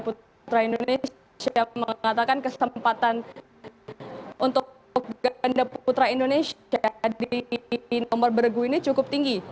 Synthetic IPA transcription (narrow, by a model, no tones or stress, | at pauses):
pu | t̪ɾaindones | aməŋat̪akankəsəmpat̪an | ʔunt̪ʊ | k̚ɡandaput̪ɾaindonesadinɔmɔrbəɾɡuinit͡ʃukʊp̚t̪iŋɡi